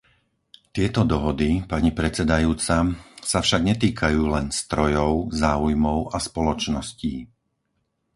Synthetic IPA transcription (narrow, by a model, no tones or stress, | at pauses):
t̪ɪɛt̪ɔd̪ɔɦɔd̪ipaɲipɾɛt͡sɛd̪ajuːt͡sasafʃaɡɲɛt̪iːkʰajuːlɛnst̪ɾɔjɔʊzaːujmɔʊʔaspɔlɔt͡ʃnɔsciː